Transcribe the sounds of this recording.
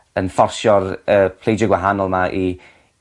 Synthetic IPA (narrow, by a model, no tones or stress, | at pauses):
ənfɔrsjɔrəpʰl̥ˠejd͡ʒəɡwaɦanɔlˠmaʔi